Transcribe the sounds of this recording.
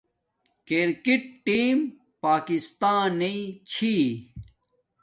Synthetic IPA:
kiɾkiʈ̚ʈːiːm | paːkist̪aːnit͡ɕʰi

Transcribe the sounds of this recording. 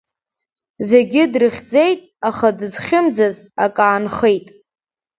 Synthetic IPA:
ze̞ɡʲɪdrɨχʲd͡ze̞jtʼaχadɨzχʲɪmd͡zaza̰kʼaːnχejtʼ

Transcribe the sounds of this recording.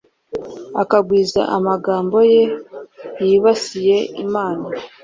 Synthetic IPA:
akaɡwiːza̰ʔamaɡaːmbo̞je̞ | jiβasije̞ḭmaːna

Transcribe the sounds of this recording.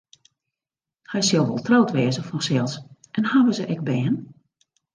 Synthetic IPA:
hɛjsɪlˠʋɔ̰lˠtrɔwtʋɛəzəfɔsɛlˠsʔɛnhaːʋəzəʔɛɡ̚bɛːn

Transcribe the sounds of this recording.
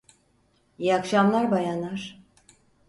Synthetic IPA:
jakʃamlˠaɾbajanaɾ̥

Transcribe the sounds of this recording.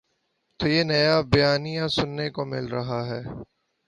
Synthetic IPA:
t̪oːjeːnɐjabijaːnijãsʊnːekomɪ̰lɾɐɦaɦɛː

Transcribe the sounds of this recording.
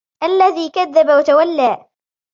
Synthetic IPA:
ʔalːaðiːkaðːabawat̪awalːaː

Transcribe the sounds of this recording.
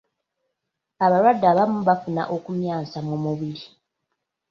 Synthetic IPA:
aβaɾwadːaːβamuβafuna̰ʔo̞kumjaːnsamumuβiɾi

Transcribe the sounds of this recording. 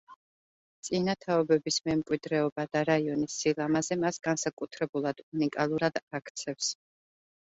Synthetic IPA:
t̪sʼinat̪ʰaɔbɛbismɛmkʼwid̪ɾɛɔbad̪̥aɾaiɔnisːilˠamazɛmasɡansakʼut̪ʰɾɛbulˠad̪unikʼalˠuɾad̪̥akʰt̪sʰɛfs

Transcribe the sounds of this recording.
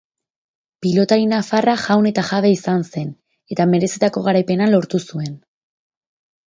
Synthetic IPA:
pilo̞t̪aɾinafaraʝawne̞t̪aʝaβe̞isanse̞n | e̞t̪ame̞ɾe̞sit̪ako̞ɣaɾajpe̞nalo̞ɾt̪usue̞n

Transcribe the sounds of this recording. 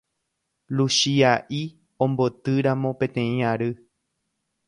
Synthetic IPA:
lusiaʔi | õmbot̪ɨɾamõ̞pẽ̞t̪ẽ̞ĩaɾɨ

